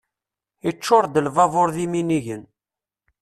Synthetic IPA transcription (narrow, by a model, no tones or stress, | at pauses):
it͡ʃːʊɾd̪əlvɑvoɾðiminiʝən